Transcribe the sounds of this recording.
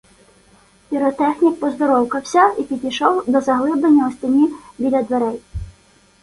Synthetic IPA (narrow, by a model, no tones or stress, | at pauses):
pʲiɾɔt̪ɛxnʲik̚pɔzd̪ɔɾɔwkɐwsʲɐipʲid̪ʲijʃɔwd̪ɔzɐɦlˠɪblˠenʲːɐɔsʲtʲinʲibʲidʲlʲɐd̪ʋeɾɛj